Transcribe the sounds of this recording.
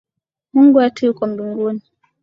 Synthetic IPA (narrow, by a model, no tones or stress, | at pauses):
muŋɡuatujukɔm̩biŋɡuni